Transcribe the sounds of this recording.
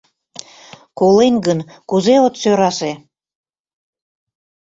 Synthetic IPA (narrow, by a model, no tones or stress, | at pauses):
kolenɡənkuzeot̪søɾɑʃe